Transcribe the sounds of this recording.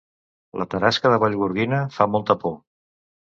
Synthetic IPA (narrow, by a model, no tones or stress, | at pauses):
lʔə̰t̪əɾaskəðəβaʎɣuɾɣinəfamɔlˠt̪əpo